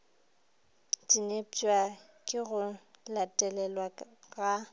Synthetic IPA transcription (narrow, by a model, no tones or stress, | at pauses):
tʼinet͡ʃʼwa | kʼɪɣʊlatʼɛlɛlwaɣa